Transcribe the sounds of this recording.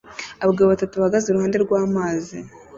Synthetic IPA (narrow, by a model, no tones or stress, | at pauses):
aβɡeβatatuβaɡazuɾuhaːnde̞ɾɡwaːmaːzi